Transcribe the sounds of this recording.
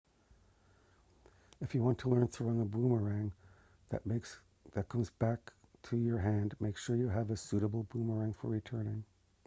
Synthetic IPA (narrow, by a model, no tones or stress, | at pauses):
ɨfjɨwɑ̃ntʰəlɜ̃˞ntʰəɹʌ̃nəbũməɹæ̃ŋ | ðɨ̰t̚ | ðɨt̚kʰʌ̃mzbæk | tʰɨjə˞ɦæ̃ndmeɪkʃʊɹjɨəvɨsʉɾəbl̩ˠbuməɹæ̃ŋfə̰˞ɹitʰɜ̃˞nɪ̃ŋ